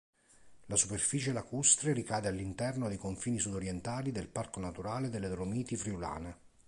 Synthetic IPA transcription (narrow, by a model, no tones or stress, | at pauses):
lasuperfiːt͡ʃelakust̪ɾeɾikaːd̪ealːint̪ɛrnod̪ejkoɱfiːnisud̪oɾjɛnt̪aːlid̪elparkonat̪uɾaːled̪elːed̪ɾomiːt̪ifɾiula̰ːne